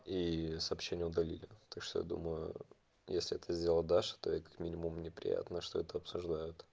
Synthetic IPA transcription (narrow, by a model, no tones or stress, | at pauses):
isəːpɕːenʲɪjəʊd̪ɐlʲilʲɪt̪akʂt̪o̰ja̰d̪ṵməjʊ̰ | jesʲlʲɪɛt̪əzʲdʲelˠəd̪alʲʂɨ̥t̪o̞ikḁkmʲinʲɪmʊmnʲɪpɾʲɪ̰ja̰t̪nəʂt̪o̞ɛt̪əɐpsʊʐd̪ajʊt̪